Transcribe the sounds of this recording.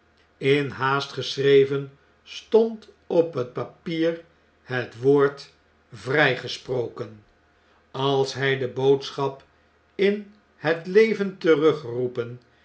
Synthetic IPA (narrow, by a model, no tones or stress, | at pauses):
ɪnɦaːstχəsrejvən | stɔnt | ɔpɦət̚papiːr | hətʋoːɹt | vrɛjχəsprowkən | ɑlˠsɦɛjdəbowtsχɑp | ɪn | hətlejvəntərɵχrupən